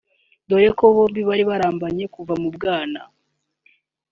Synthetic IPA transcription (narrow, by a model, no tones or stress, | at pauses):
do̞ɾeko̞βoːmbiβaɾiβaɾaːmbaɲe̞kuvamubɡaːna